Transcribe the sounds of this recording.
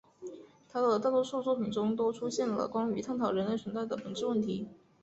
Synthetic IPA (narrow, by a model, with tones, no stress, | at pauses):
t̪ʰa˥˧ə˩də˩t̪a˥˧˩t̪wɔ˥ʂu˥˧t͡swɔ˥˩pʰi˨˩ŋʈ͡ʂʊ˥ŋt̪̬o˥ʊʈ͡ʂʰu˥ɕjɛ˥˩nlə̰˩kwa˥ny˧˥t̪ʰa˥˩nt̪ʰɑ˨˩ʊɻə˧˥nle˥˩ɪə˧˥nt͡sa˥˩ɪd̪ə˩pə˨˩˦nʈ͡ʂɻ̩˥˧wə˥˩nt̪ʰi˧˥